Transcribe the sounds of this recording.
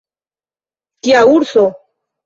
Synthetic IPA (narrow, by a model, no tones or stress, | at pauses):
kiauɾso